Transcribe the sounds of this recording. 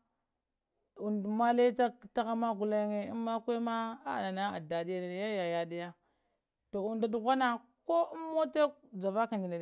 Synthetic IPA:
u˨ndma˦le˦ta˦ta˦ɣa˦ma˦ɡu˨la˦ŋe˦i˦mːa˦kʷe˦ma˦a˦˨na˨na˦a˨da˨di˦ja˦na˨ja˦ja˨ja˨di˦ja˦ | to˨u˨nda˨du˨ɣʷa˦na˦ | ko˦u˦mːo˦te˦kd͡za˨va˦ka˨ndi˨na˨

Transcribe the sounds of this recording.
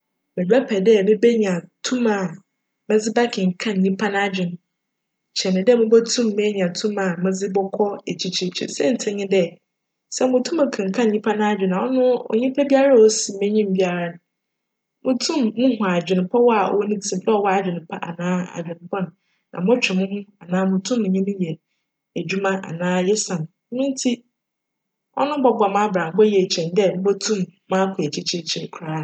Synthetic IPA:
mɪ̃˨læ˦pʰɛ˨dɛ˦˨mɪ̃˦be˦ɲã˨tʰũ˦mã˨ | mɛ̃˦d͡zɪ˦ba˦kʰɪ̃˨ŋ̩˨kʰã˦n˨ɲĩ˦pʰa˦ñ˦a˨d͡ʑᶣɪ˨ñ˨ | t͡ɕʰɛ˨nɪ̃˨dɛ˦˨mʊ̃˦bɛ˦tʰũ˦mːɛ̃˦ɲ˨ã˨tʰũ˦mã˨mʊ̃˦d͡zɪ˦bɔ˦kʰɔ˦e˨t͡ɕʰi˨t͡ɕʰi˨t͡ɕʰḭ˨sɛ˦n̩˨tʰɛ̃˦ɲɪ̃˦dɛ˦ | sɛ˦mʊ̃˨tʰũ˦mã˨kʰã˨ŋ̩˨kʰã˦˨n˨ɲĩ˦pʰa˦nʊ̃˦a˦d͡ʑᶣɪ̃˨nã˨wɔ˦nʊ̃˦ɔ̰˨ɲĩ˦pʰɛ˦bi˦a˦ɾa˦˨wo˦si˨mɛ̃˦ɲĩ˦˨m˨bi˦a˨ɾa˦nʊ̃˨ | mʊ̃˨tʰũ˦˨mːʊ̃˦hʊ̃˨a˨d͡ʑᶣɪ˨nʊ̃˨pʰɔ˦wɔ˦a˨ɔ̰˨wɔ˦nĩ˦tʰĩ˦˨m˦dɛ˦ɔ˨wɔ˦a˨d͡ʑᶣɪ˨nʊ̃˨pʰa˦ʔa̰˨nãː˦a̰˨d͡ʑᶣɪ̃˨nʊ̃˨pʰɔ˦nʊ̃˨ | nã̰˨m˦ʊ̃˦t͡ɕᶣɛ˨mʊ̃˦hʊ̃˦a˨nãː˦mʊ̃˨tʰũ˦mː˦ʊ̃˨ɲĩ˦nʊ̃˦jɛ˨ | æ˨d͡ʑᶣu˦mã˦ʔa̰˨nãː˦jɛ˦sã˨m˨˦nĩ˦n˦tʰi˦ | ʔɔ̰˦nʊ̃˦bɔ˦bɔ˨mã˦bɾã˨bɔ˦jɛ˨t͡ɕʰɛ̃˨ndɛ˦m̩˦bɔ˦tʰũ˦mːã˦kʰʊ˨e˨t͡ɕʰi˦t͡ɕʰi˦˨t͡ɕʰi˨n˨kʰu˨ɾãː˦˨

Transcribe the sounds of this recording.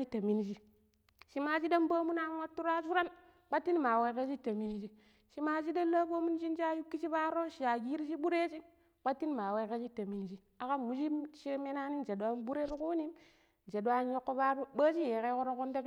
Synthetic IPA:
i˦ta˨mi˦nd͡ʒi˦ | ʃi˦ma˨t͡ʃi˦da˦mbo˦mu˦na˦n˦wa˦tːu˦ɾa˦zu˦ɾa˦n | k͡pa˦tːi˦n˦ma˨we˦ke˦t͡ʃi˦ta˨mi˦nd͡ʒi˦ | ʃi˨ma˨d͡ʒi˦da˦la˦bo˦mu˦n˦d͡ʒi˦nd͡ʒa˦ju˦kːi˦t͡ʃi˦ba˦ɾo˦ʃi˨a˨ɡi˦ɾi˦ʃi˦ɓu˦ɾe˦t͡ʃi˦ | k͡pa˦tːi˦n˦ma˨we˦ke˦t͡ʃi˦ta˨mi˦nd͡ʒi˦ | a˨ka˦mu˨d͡ʒi˦ʃi˦me˦na˦ni˦n˨d͡ʒe˨da˦nbu˦ɾe˦ɾku˦ni˦m | d͡ʒe˨da˦njo˦kːo˦ba˦ɾu˦ba˦t͡ʃi˦je˨ke˦ku˦ɾo˦ku˦nde˦k

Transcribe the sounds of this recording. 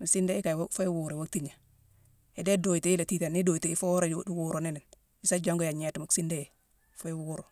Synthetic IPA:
mi˨si˦nde˦ji˦ka˨wfo˦wu˨ɾo˨wa˦k̚ti˦ɲa˨ | e˨de˦do˨i˨te˨i˦la˨ti˦te˨ni˦do˨jte˨i˦fo˦ɾe˨wu˨ɾo˨ni˦ni˨n | i˦sa˦d͡ʒo˦ŋɡo˦ja˨ɲe˦ti˨mi˨ksi˦nde˦je˨ | fo˦wu˦ɾo˨

